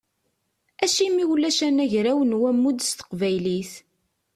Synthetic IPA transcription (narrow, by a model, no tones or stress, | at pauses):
æʃimːiwlːæʃænæʝɾæwənwæmːud̪st̪ə̥qvæjliθ